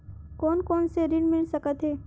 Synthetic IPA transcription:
kɔːnkɔːnseɾɪnmɪɳsəkət̪ɦeː

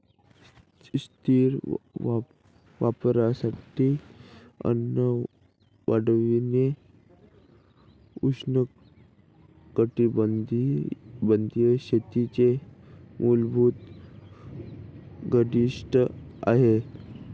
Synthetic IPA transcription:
st̪iːɾ | ʋapɾasaʈi | ə̰nːə | ʋaɽʋine | usnə | kəʈiibənd̪jəɕet̪it͡semʔulbʱuːt̪ | ɡəɽiʂʈəa̰ɦe

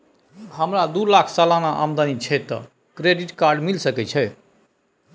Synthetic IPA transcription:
ɦəmɾad̪ulakʰsalanaʔamd̪anit͡ʃʰɛt̪ɔ̰ | kɾeɖiʈkaɾɖmilsəkɛt͡ʃʰɛ

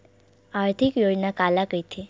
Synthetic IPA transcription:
aɾt̪ʰikjod͡ʒnakalakəjt̪ʰi

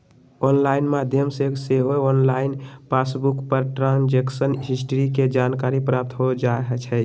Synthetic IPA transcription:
onlainmad̪ʱjəmseseɦoonlainpasbukpəɾʈɾãnd͡ʒeksənɦisʈɾiked͡ʒankaɾipɾap̚t̪ɦod͡ʒaeɦət͡ʃʰɛ

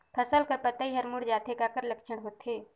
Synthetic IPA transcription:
pʰɐsəlkɐɾpɐt̪aɦiɦəɾmuɽd͡ʒaːt̪ekakəɾlɐkʃəɽ̃ɦoːt̪ɦeː

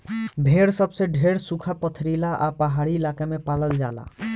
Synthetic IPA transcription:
bʱeɽsəbseɖʱeɽsukʰapət̪ʰɾilaʔa̰pəɦaɽiɪlakemẽpaləld͡ʒa̰ːla̰

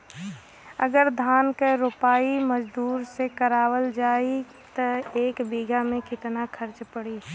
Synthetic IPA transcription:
ə̰ɡəɾd̪ʱaːnkeɾopaːiməd͡ʒd̪uːɾsekəɾaːwəld͡ʒaːi | t̪əeːkbiːɡamẽkɪt̪nakʰəɾt͡ʃpəɽiː

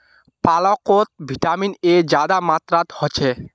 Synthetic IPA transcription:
palokot̪̚bʱiʈamined͡ʑad̪amat̪ɾat̪hɔt͡ɕʰe

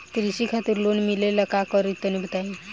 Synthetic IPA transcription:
t̪ɾiɕikʰat̪iɾlonmilelakakəɾit̪ːənibʱət̪ai

